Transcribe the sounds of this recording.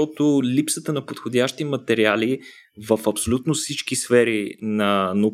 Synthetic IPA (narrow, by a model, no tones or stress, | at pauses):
ɔt̪ʊlipsət̪ənɐpot̪xod̪ʲaʃt̪imɐt̪ɛɾiali | vəfɐpsolʲut̪nofsit͡ʃkisfɛɾinɐno